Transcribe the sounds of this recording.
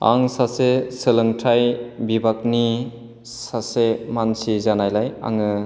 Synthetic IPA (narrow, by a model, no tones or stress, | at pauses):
a̰ŋsasesɯlɯŋtʰajbibak̚ni | sasemansizanajlaja̰ŋɯ